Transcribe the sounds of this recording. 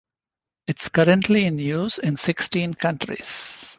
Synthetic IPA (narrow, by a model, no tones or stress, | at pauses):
ɪʈskʌɾə̃ɳʈʰliɪ̃njuːsɪ̃nsɪksʈĩːnkʌ̃ɳʈɾḭs